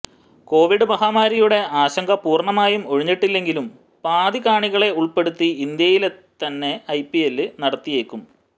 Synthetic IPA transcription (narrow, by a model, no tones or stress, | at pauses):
ko̞ːʋiɽɨmɐɦaːmaːɾijuɽe̞aːɕɐŋɡɐpuːrɳɐmaːjumo̞ɻiɲːiʈːilːe̞ŋɡilum | paːd̪iɣaːɳiɣɐɭe̞uɭpe̞ɽut̪ːiind̪jɐjilet̪ːɐnːe̞ɐjpielːɨnɐɽɐt̪ːije̞ːkːum